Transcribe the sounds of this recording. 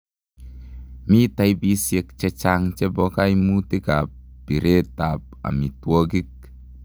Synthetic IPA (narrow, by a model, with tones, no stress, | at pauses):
mi˦ta˧jbi˦sje˧k̚t͡ʃe˧t͡ʃa˧ŋt͡ʃe˦bɔ˧ka˦jmu˦ti˦ka˨p̚b̥i˨ɾʔe˦ta˨p̚ | a̰˨mi˨twɔ˦ɡi˦k̚